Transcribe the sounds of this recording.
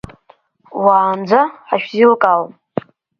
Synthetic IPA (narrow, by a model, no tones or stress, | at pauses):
waːnd͡zaaʃᶣzilkʼal